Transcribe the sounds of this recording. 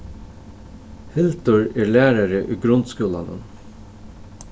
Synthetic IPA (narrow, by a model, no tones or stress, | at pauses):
hɪlt̪ʊɹɛːɹlæːɾaɾəʔʉːɡɾʊnd̪skuːla̰nə̰n